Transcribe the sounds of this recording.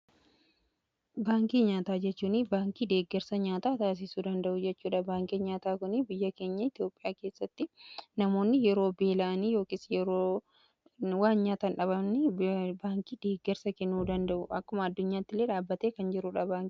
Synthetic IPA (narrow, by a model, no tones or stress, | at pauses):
baːŋkiːɲaːt̪aːd͡ʒɛt͡ʃːuːnɪbaːŋkiːd̪e̞ːɡːɛɾsɐɲaːt̪aːt̪aːs̬ɪsuːd̪ɐnd̪ɐʔʊd͡ʒɛt͡ʃːuːᶑɐbaːŋkiɲaːt̪aːkʊnɪbɪjːɐke̞ːɲːɐɪt̪jo̞ːpʼɪjaːke̞ːsːɐt̪ːɪnɐmo̞ːnːɪjɛɾo̞ːbeːlɐʔniːjo̞ːkɪsjɛɾoː | waːnɲaːt̪ɐnᶑɐbɐmnɪbaːŋkiːd̪eːɡːɛɾsɐkɛnːuːd̪ɐnd̪ɐʔʊʔɐkːʊmɐːd̪ːʊɲːaːt̪ːɪleːᶑaːbːɐt̪eːkɐnd͡ʒɪɾʊᶑabaːŋkː